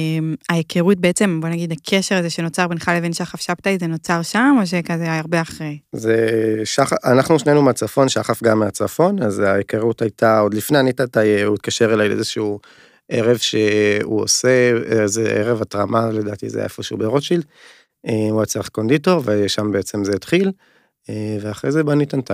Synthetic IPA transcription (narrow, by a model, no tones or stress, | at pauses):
maekʰeʁut̚beet͡se̞mbo̞naɡid̪akʰeʃeʁazeʃe̞no̞t͡saʁbenχalevinʃeaχafʃabtaezeno̞t͡saʁʃamo̞ʃ̬ekazeaaʁbeaχʁejzeʃaχaanaχnuʃnenumeat͡safo̞nʃaχafɡamːeat͡safo̞nazaekeʁutajtʰao̞d̪lifneanitatajuit̪̚kaʃeʁelajʔḛzeʃeu | ʔeʁe̞vʃeṵo̰se̞ezeʔeʁevatʁamʔale̞daːtḭzḛja̰efoʃeubeʁoʃil | euat͡seaχko̞nd̪ito̞ʁveʃambeet͡semzeitχil | eveaχʁejzebanitanta